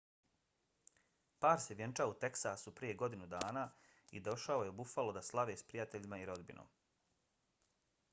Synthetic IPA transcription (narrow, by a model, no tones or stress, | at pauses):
paːɾseʋje̞nt͡ʃaout̪e̞ksasupɾije̞ɡo̞d̪inud̪aːnaː | ḭd̪o̞ʃao̞jeo̞bufalo̞d̪aslˠaʋeːspɾijat̪e̞ʎimaiɾo̞d̪bḭnʔo̰m